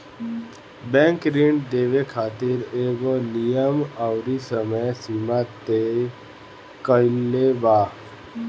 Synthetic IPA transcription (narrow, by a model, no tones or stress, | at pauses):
bɛ̃ːŋkɾiɳɖd̪eːʋekʰaːt̪ɪɾeːɡolijəmaʊɾisəməjsiːmat̪e | kəɪlebaː